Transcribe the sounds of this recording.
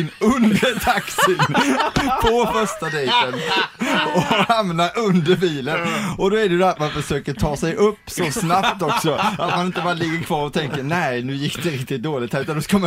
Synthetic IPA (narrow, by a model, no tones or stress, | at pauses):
ɪnɵnd̪əɾt̪ʰaksɪ | pʰɔfœʂʈad̪ɛɪt̪ən | ɔhamnaʔɵnd̪əɾbiːlənɔd̪ɔɛɖɛjʉd̪ːat̪manfœʂøːkəʈʰɑːsɛjʔɵpːsɔsnapt̪ɔksɔat̪manɪnt̪əbɑːɾalɪɡːəɾkʰvɑːɾɔt̪ʰɛŋkəɾnɛɪnʉ̟ːjɪkːd̪ɛɾɪk̚t̪ɪt̪̚d̪oːlɪɡ̚t̪hæɾʉːt̪and̪ɔskama